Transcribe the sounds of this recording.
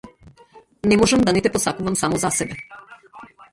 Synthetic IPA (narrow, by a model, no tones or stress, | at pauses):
nɛmɔʒamd̪anɛt̪ɛpɔsakuvamsamɔzasɛbɛ